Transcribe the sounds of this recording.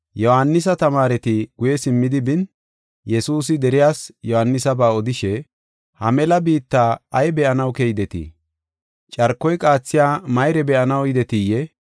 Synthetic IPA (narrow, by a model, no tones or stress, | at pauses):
jɔhanːɪs̬ɐt̪ɐmaːɾɛt̪ɪɡ̥ʊjɛsɪmːɪd̪ɪbɪn | jɛsuːs̬ɪd̪ɛɾɪjaːsjɔhɐnːɪsɐbaːɔd̪ɪʃɛ | hɐmɛlɐbiːt̪ːaːɐjbɛʔɐnɐwkɛjɪd̪ɛt̪ḭ | t͡ʃʼɐɾkːɔjkʼaːt͡sːɪjaːmɐjɾɛbɛʔɐnɐwjɪd̪ɛt̪ijɛ